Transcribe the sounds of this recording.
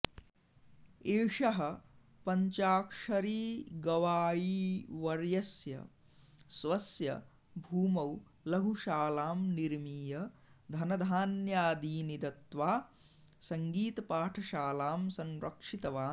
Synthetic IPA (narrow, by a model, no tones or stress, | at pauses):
eːʂɐɦɐ | pɐɲt͡ʃaːkʂɐɾiːɡɐʋaːjiʋɐɾjɐsjɐ̰ | sʋɐsjɐ̰ | bʱuːmɐw | lɐɦuʃaːlaːmniɾmiːjɐd̪ʱɐnɐd̪ʱaːnjaːd̪iːnid̪ɐt̪ʋaː | sɐŋɡiːt̪ɐpaːʈʰɐʃaːlaːmsɐnɾɐ̰kʂit̪ɐʋaː